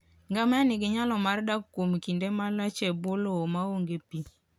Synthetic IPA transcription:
ŋɡamɛnɪɡɪɲalɔmardakkːomkindemalat͡ʃɛbolomaoŋɡepi

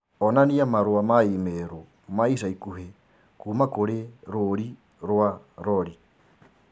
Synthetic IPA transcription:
ɔnaniamaɾoamaimeɾo | maisaikuɦe | kuːmakoɾeɾoɾi | ɾoa | ɾɔɾi

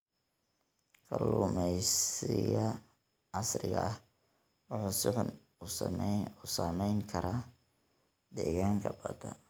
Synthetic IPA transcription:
kʰɐlʊmɛjsɪɣɐ | ʕɑsrɪɣɐʔɐh | wɑħuːsɪħʊn | ʊsamɛjŋkʰɐɾaː | d̪ɛːɣaːŋkʰɐbɐd̪ɐ

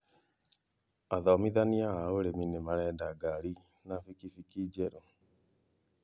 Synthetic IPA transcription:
aðɔmiðaniaɦaoɾeminemaɾɛdaɡaɾi | nafikifikid͡ʒɛɾo

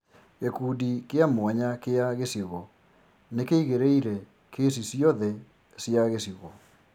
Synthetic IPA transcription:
ekuːdikeamwaɲakeaɣesiɣɔ | nekeiɣeɾeiɾɛ | kes̬isiɔðɛ | siaɣesiɣɔ

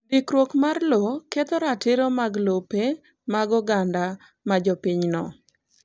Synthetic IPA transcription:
dɪkɾwokmarloket̪ɔɾatɪɾomaɡlope | maɡɔɡanda | mad͡ʒɔpɪɲnɔ

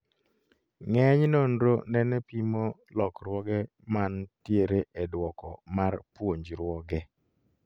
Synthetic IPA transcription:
ŋɛɲnondɾonɛnɛpimolɔkɾwɔɡɛ | mantjeɾeʔedwɔkɔmarpwoɲd͡ʒɾwɔɡɛ

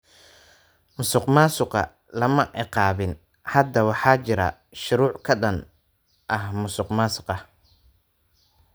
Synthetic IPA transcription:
mʊsʊqmaːsʊqɐ̰ | lɐmɐʔɪqɑːβɪn | hɐd̪ɐwɑħɑːt͡ʃɪɾɐ̰ | ʃʊɾuːʕkʰɐɗɐn | ʔɐhmʊsʊqmaːsʊ̥qɐ

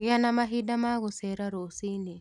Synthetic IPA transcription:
janamaɦidamaɣusɛɾaɾosini

